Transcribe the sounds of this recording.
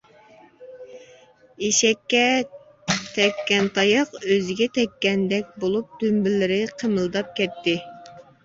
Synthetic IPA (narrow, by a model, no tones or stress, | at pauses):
eʃɛkʲːɛ | t̪ʰɛkʲːɛnt̪ʰɑjəqøzɪɡʲɛt̪ʰɛkʲːɛnd̪ɛkʲbolˠup̚d̪̥ymbɪlɪɾɪqʰəmɨlˠd̪ɑp̚kʲʰɛt̪ːɪ